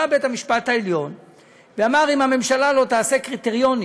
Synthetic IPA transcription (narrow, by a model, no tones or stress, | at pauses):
abet̪amiʃpat̪haeljo̞n | veamaʁimame̞mʃalalo̞t̪aːse̞kʁit̪eʁjo̞ni